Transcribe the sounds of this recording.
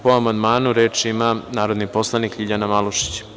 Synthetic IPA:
poamand̪maːnuɾeːt͡ʃimanaːɾo̞d̪nipo̞slˠanikʎiʎanamalˠuʃi̥t͡ɕ

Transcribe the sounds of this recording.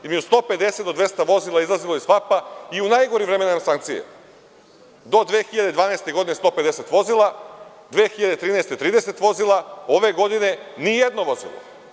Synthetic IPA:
imeust̪o̞ped̪eset̪d̪od̪ʋe̞st̪aʋo̞zilˠaizlˠazilojispapaiunajɡoɾimvɾemenamsaŋk̚t̪sijḛ | d̪o̞d̪ʋeːxiʎad̪ed̪ʋaːnaest̪e̞ɡo̞d̪ine̞st̪o̞ped̪ese̞t̪ʋo̞zilˠa | d̪ʋeːxiʎad̪et̪ɾiːnajst̪et̪ɾiːd̪e̞se̞t̪ʋo̞zilˠaoʋe̞ɡo̞d̪ine̞nijed̪noʋo̞zḭlˠo̰

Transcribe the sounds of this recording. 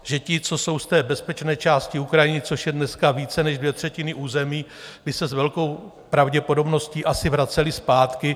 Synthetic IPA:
ʒɛcɪt͡so̞so̞wst̪ɛːbɛspɛt͡ʃnɛːt͡ʃaːscɪukɾajɪnɪt͡so̞ʃjɛdnɛskaviːt͡sɛnɛʒdvjɛt̪r̝̥ɛcɪnɪʔuːzɛmiː | bɪsɛzvɛlko̞w | pɾavɟɛpo̞do̞bno̞sciːʔasɪvɾat͡sɛlɪspaːt̪kɪ

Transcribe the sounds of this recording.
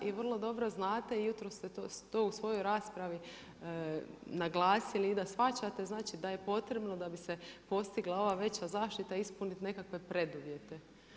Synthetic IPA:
iʋr̩lˠo̞d̪o̞bɾo̞znaːt̪e̞ijut̪ɾost̪e̞t̪ost̪ousʋo̞jo̞jɾaːspɾaʋi | naɡlˠaːsiliːd̪asfat͡ɕat̪e̞znaːt͡ʃid̪aje̞po̞t̪ɾe̞bno̞d̪abise̞po̞st̪iɡlˠao̞ʋaʋe̞t͡ɕazaːʃt̪it̪aispunit̪ne̞kakʋe̞pɾe̞d̪uʋje̞t̪e̞

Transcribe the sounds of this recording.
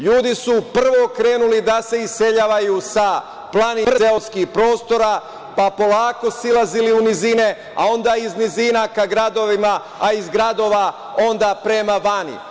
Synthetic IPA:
ʎuːd̪isupr̩ʋo̞kɾe̞ːnulid̪ase̞ise̞ʎaːʋajusa | plˠanireoskixpɾo̞ːst̪o̞ɾa | papo̞laːko̞silˠaziliunizine̞ | a̰o̞nd̪aiznizinakaɡɾad̪o̞ʋima | aizɡɾad̪o̞ʋa | o̞nd̪apɾe̞maʋanḭ

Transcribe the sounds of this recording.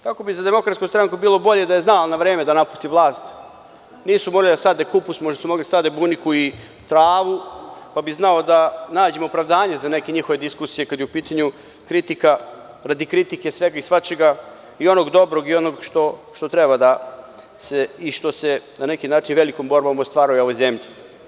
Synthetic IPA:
kako̞bizad̪e̞mo̞kɾat̪kust̪ɾaŋkubiːlˠo̞bo̞ʎe̞d̪aje̞znalnaʋɾeːmed̪anapu̥st̪iʋlˠaːst̪ | niːsumo̞ɡlid̪asad̪ekupusmoʒd̪asumo̞ɡliasad̪ebunikui | t̪ɾaːʋupabiznao̞d̪anaːd͡ʑemopɾaʋd̪aːɲezane̞keɲixoʋe̞d̪iskusijekad̪jeupiːt̪aɲu | kɾit̪ika | ɾad̪ikɾit̪ike̞sʋeɡaisʋat͡ʃeɡa | io̞noɡd̪o̞bɾoɡio̞noɡʃt̪o̞ʃt̪o̞t̪ɾebad̪a | seiʃt̪o̞senane̞kinaːt͡ʃinʋe̞likombo̞ɾbomost̪ʋaːɾajuo̞ʋezemʎe

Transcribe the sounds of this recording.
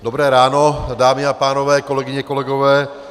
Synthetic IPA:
d̪obɾɛːɾaːnodaːmɪapaːnɔvɛːkolɛɡɪɲɛkolɛɡoɔvɛː

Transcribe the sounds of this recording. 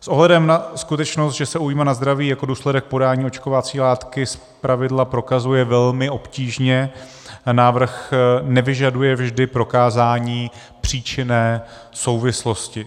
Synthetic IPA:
sʔoɦlɛdɛmnaskut̪ɛt͡ʃnost̪ʒɛsɛujimanazd̪ɾaviːjako̞duːslɛdɛk̚po̞daːɲiːo̞t͡ʃkovat͡siːlaːt̪kɪs | pɾavɪdlapɾo̞kazujɛvɛlmɪʔo̞pciːʒɲɛ | naːvr̩xnɛvɪʒadujɛvʒdɪpɾo̞kaːzaːɲiː | pr̝̥iːt͡ʃɪnɛː | so̞wvɪslo̞scɪ

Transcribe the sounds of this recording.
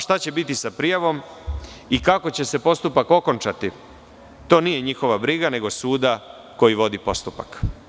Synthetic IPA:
ʃt̪at͡ɕe̞bit̪isapɾijaʋo̞m | ikako̞t͡ɕe̞se̞po̞st̪upako̞ko̞nt͡ʃat̪i | t̪o̞ːnije̞ɲixo̞ʋabɾiɡane̞ɡo̞suːd̪a | ko̞jiʋo̞d̪ipo̞st̪upa̰k

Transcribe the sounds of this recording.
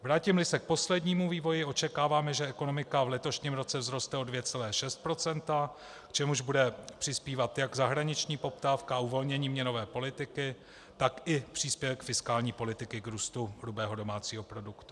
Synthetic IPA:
vɾaːcɪmlɪsɛk̚po̞slɛdɲiːmuviːvo̞jɪʔo̞t͡ʃɛkaːvaːmɛʒɛɛko̞no̞mɪkavlɛt̪o̞ʃɲɪmɾo̞t͡sɛvzɾo̞st̪ɛo̞dvjɛt͡sɛlɛːʃɛst̪̚pɾo̞t͡sɛnt̪a | kt͡ʃɛmuʒbudɛpr̥ɪspiːvat̪jaɡzaɦɾaɲɪt͡ʃɲiːpo̞pt̪aːfkaauvo̞lɲɛɲiːmɲɛno̞vɛːpo̞lɪt̪ɪkɪ | t̪akɪpr̝̥iːspjɛvkfɪskaːlɲiːpo̞lɪt̪ɪkɪɡɾuːst̪uɦlubɛːɦo̞do̞maːt͡siːɦo̞pɾo̞dukt̪u̥

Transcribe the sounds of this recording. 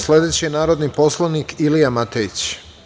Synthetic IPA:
sle̞d̪et͡ɕenaːɾo̞d̪nipo̞slˠanikilijamat̪eit͡ɕ

